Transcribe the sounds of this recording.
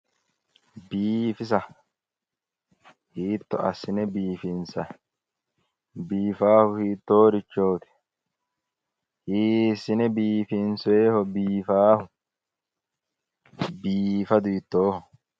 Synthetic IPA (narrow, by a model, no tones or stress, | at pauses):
biːfɪs̬ɐ | hiːt̪ːɔ̰ɐsɪnɛbiːfɪnsɐ | biːfaːfʊhiːt̪ːoːɾɪt͡ʃːoːt̪ɪ̥ | hiːsɪnɛbiːfɪnsʊeːhɔbiːfaːfʊ | biːfɐd̪ʊɪt̪ːoːhɔ